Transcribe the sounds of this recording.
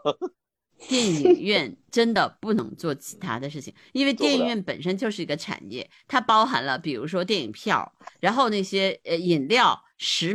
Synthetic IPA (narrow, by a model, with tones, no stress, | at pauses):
t̪jɛ˥˩ni˨˩ŋɥɛ˥˩nʈ͡ʂə˥nd̪ə˨pu˥˩nɤ̰˧˥ŋt͡swɔ˥˩t͡ɕʰi̥˧˥t̪ʰa̰˥d̪ə˨ʂɻ̩˥˩t͡ɕʰi˨˩ŋi˥nwe˥˧ɪt̪jɛ˥˩ni˧˩ŋɥɛ˥˩npə̰˨˩nʂə˥nt͡ɕjo˥˧ʊʂɻ̩˥˩i˧˥ɡə˧ʈ͡ʂʰa̰˨˩njɛ̰˥˩ | t̪ʰa˥pɑ˥ʊxa̰˧˥nlə˧pi˨˩ɻu˧˥ʂ̬wɔ˥t̪̬jɛ˥˩nḭ˨˩ŋpʰjɑ̰˥˩ʊɻa˧˥nxo˥˧ʊna˥˩ɕjɛ˥ə˧i˨˩nljɑ˥˩ʊ | ʂɻ̩˧˥